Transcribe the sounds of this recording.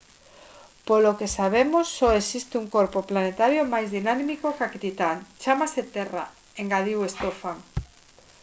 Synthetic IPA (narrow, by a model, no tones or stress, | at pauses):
polokesaβ̞emosːɔesist̪euŋkoɾpoplanet̪aɾjomajzðinammikokaket̪it̪aŋt͡ʃamaset̪era̰ | eŋɡað̞iwest̪ofaŋ